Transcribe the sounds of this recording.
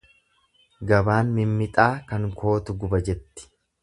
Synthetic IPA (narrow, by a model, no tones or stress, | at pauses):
ɡɐbaːnmɪmːɪt̪ʼaːkɐŋkʰo̞ːt̪ʊɡʊbɐd͡ʒɛt̪ːɪ̥